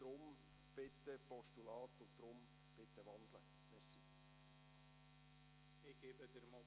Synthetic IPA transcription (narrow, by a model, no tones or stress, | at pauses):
d̥ɾʊm | b̥ɪt̪ːəpɔʃtulɑːt̪ʊd̥̪ɾʊm | b̥ɪt̪ːəʋɑnd̪lə | mɛɾsiː | ɪɡ̥eːbəd̪əɾmɑ